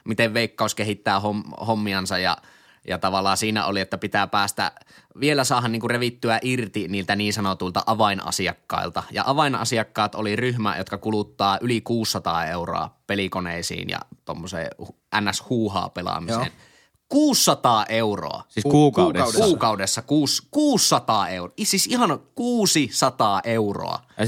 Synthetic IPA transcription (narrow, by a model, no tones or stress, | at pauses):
mit̪eʋʋeˑikːɑˑuskehit̪ːæːhomhomːiɑnsɑjjɑ̰ | jɑt̪ɑʋɑlːˑɑːsiːnæ̰ʔoliet̪ːæpit̪æpæːst̪æ̰ʋielæsɑːhɑnniːŋkureʋit̪ːyæʔirt̪iniːlt̪æniːnsɑnot̪uilt̪ɑʔɑʋɑinʔɑ̰siɑkːɑ̰ilt̪ɑjɑ̰ʔɑʋɑinʔɑ̰siɑkːɑːt̪oliryhmæ̰jo̰t̪kɑkulut̪ːɑːʔylikuːsːɑt̪ɑːeuro̰ɑ̰pelikonḛisḭːnjɑ̰t̪o̰mːosḛːh | ʔænːæshuːhɑ̰ːpelɑ̰misḛn | kuːsːɑt̪ɑːʔeuro̰ɑ̰iuːkːuːkɑudesːɑkuːskuːsːɑt̪ɑːeuisisihɑnkuːsisɑt̪ɑːʔeuro̰ɑ̰